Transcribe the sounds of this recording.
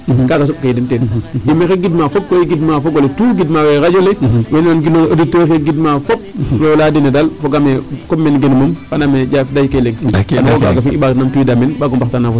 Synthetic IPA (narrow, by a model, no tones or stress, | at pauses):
kaɡas̬ɔb̚kaidintenimexeɡidmafok̚kojiɡidmafokːoletuːɡidmawekad͡ʒolewenanɡiloaditːokeɡidmafop̚loladinedalfoɡamekomːenɡenumumkanamed͡ʒafdajkeleŋanoka̰ɡafinibanamtuidamenbaɡombaxtanafo